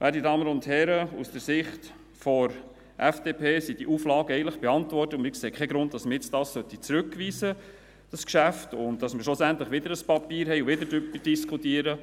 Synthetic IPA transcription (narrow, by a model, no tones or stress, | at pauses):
ʋʔæːɾdidɑːmənʊnthɛɾəṵsd̥əɾsɪχt | fɔɾ | ʔɛfd̥eːpʰeːsid̥iʔuːflɑːɡəɛɪən̩tləχb̥eɑntvɔrtəmɪɾkseːkʰɛɡɾʊnt̚d̥ɑsməɾjɪt͡sdɑːssœtit͡sɾʉkːʋiːsə | d̥ɑskʃæftʊntd̥ɑsmɪʃlʊsænt̪ləχʋɪd̪əɾəspɑpiːɾɦɛɪʊʋɪdəɾdʏpəd̥iskʰutiəɾə